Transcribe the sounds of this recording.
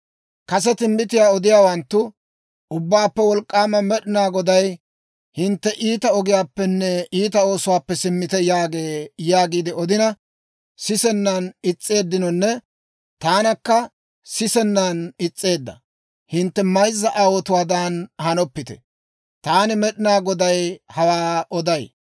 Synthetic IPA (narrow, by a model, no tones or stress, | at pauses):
kɐsɛt̪ɪmbɪt̪̬ɪjaːɔd̪ɪjaːwɐnt̪ːʊ | ʔʊbːaːpːɛwɔlkʼːaːmɐmɛɗɪnaːɡɔd̪ɐj | hɪnt̪ːɛʔiːt̪ɐɔɡɪjaːpːɛnːɛiːt̪ɐo̞ːsʊwaːpːɛsɪmːɪt̪ɛjaːɡeːjaːɡiːd̪ɪɔd̪ɪnɐ | sɪsɛnːɐnɪt͡sʼːe̞ːd̪ːɪnɔnːɛ | t̪aːnɐkːɐ | sɪsɛnːɐnɪt͡sʼːe̞ːd̪ːɐ | hɪnt̪ːɛmɐjzːɐʔɐwɔt̪ʊwaːd̪anhɐnɔpːɪt̪ɛ̥̰ | t̪aːnɪmɛɗɪnaːɡɔd̪ɐjhɐwaːɔd̪ɐj